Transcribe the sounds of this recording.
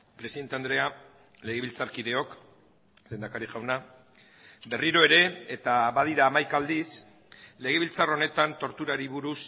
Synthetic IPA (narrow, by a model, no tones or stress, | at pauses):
pɾe̞siðe̞nt̪e̞and̪ɾe̞a | le̞ɣeilt͡saɾkiðe̞o̞k | le̞nd̪akaɾiʝawna | be̞riɾo̞e̞ɾe̞ːt̪aβaðiɾaːmajkald̪is | le̞ɣ̞e̞β̞ilt͡saro̞ne̞t̪ant̪o̞ɾt̪uɾaɾiβuɾus